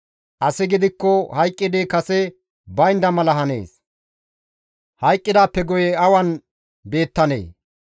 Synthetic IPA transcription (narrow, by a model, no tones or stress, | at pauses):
ʔɐsɪɡɪd̪ɪkːɔhɐjkʼːɪd̪ɪkɐsɛ | bɐjnd̪ɐmɐlɐɦɐne̞̰ːs | hɐjkʼːɪd̪aːpːɛɡɔjɛɐwɐn | be̞ːt̪ːɐnḛː